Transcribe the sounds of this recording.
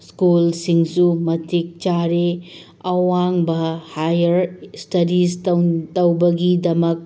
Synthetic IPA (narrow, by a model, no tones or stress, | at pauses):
skulsiŋsumɐtʰik̚t͡ʃaɾe | ɐwaŋbɐhajɐɾstɐɾistɐtɐwbɐɡidɐmɐk̚